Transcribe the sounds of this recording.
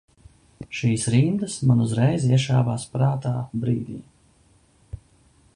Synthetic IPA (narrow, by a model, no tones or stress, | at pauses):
ʃiːsɾind̪əsmanuzɾɛjziɛʃaːvaːspɾaːt̪aːbɾiːd̪ʲḭː